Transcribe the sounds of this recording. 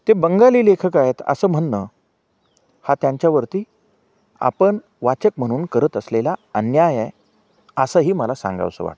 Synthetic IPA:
t̪ebəŋɡaliːlekʰəkajet̪ə̰səːm̤əɳnə | hat̪jaɲt͡ɕjaʋəɾt̪iː | a̰pəɳ | ʋat͡ɕəkm̤əɽ̃uːnkəɾət̪əslelaənjajaj | əsəɦiːməlasã̰ŋɡa̰ʋsə̰ʋa̰ʈ

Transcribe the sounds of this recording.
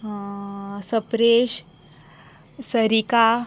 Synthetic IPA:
səpɾeɕ | səɾika

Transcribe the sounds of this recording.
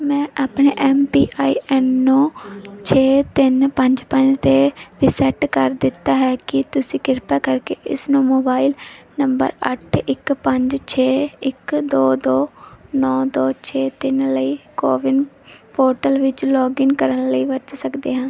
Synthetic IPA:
mɛ̃ːʔaːpneːʔɛːmpiːʔaːiːɛːnːõːt͡ʃʰeːt̪ɪnpəɲd͡ʒpəɲd͡ʒt̪eːɾɪsɛʈkəɾd̪ɪt̪ːaːɦɛːkɪt̪ʊsĩːkɪɾpɛːkəɾkeːʔɪsnũːmoːbaːilnəmbə̰ɾə̰ʈʰɪkpəɲd͡ʒt͡ʃʰeːɪkd̪oːd̪oːnɔːd̪oːt͡ʃʰeːt̪ɪnləiːkoːʋɪn | poːɾʈəlʋɪt͡ʃlɔːɡɪnkəɾənləiːʋəɾt̪səkd̪ḛːɦãː

